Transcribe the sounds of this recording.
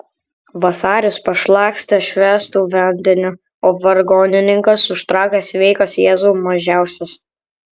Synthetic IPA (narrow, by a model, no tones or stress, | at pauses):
ʋɐsɑːɾʲʊspɐʃlˠɑːksʲt̪ʲɐʃʲʋʲæːst̪uːʋʲɛnʲd̪ʲɪnʲʊ | oːʋɐɾɡɔːnʲɪnʲɪŋkɐsʊʃt̪ɾɑˑːkʲesʲʋʲɛɪkɐsjeːzuːmɐʒʲæˑʊsʲɛs